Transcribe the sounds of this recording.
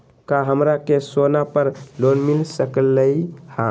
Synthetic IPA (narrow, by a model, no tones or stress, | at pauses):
kaɦəmɾakesonapəɾlonmilsəklːəjhã